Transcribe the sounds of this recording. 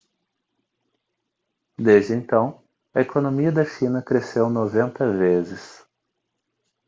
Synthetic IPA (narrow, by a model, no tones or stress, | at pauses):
d̪ezd͡ʒɪẽnt̪ɐ̃w̃ | ɐekonõmiɐd̪ɐʃĩnɐkɾesewnovẽnt̪ɐvezɪs